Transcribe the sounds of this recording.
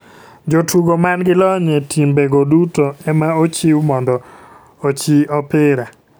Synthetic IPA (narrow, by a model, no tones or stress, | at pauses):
d͡ʒotʰuɡomanɡɪlɔɲɛtʰimbeɡodutoɛmaot͡ʃiwmɔndɔ | ot͡ʃiɔpɪɾa